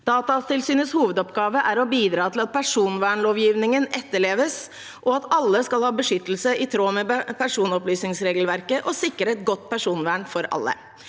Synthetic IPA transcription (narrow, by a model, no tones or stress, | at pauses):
d̪̥ɑːt̪ɑst̪ɪlsyːnəshuːʋəd̪ɔpɡɑːʋəʔæɾɔbiːd̪ɾɑːt̪ʰɪlɑt̪̚pʰæʂuːnʋæːɳloːʋjiːʋnɪŋənɛt̪ːəɭeːʋəs | ʔɔɑt̪ɑlːəskɑlhɑːbəʂʏt̪ːəl̩səʔɪt̪ʰɾoːmɛpʰæʂuːnɔplyːsnɪŋsɾeːɡlʋæɾkəʔɔsɪkːəɾəɛt̪ɡɔt̪ːpʰæʂuːnʋæːɳfɔɾɑ̰lːə̰